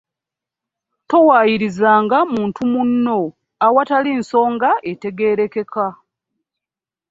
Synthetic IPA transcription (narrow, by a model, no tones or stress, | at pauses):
to̞waːjiɾizaːŋɡamuːntumunːo̞ | awatalinso̞ːŋɡaʔe̞te̞ɡe̞ɾe̞ke̞ka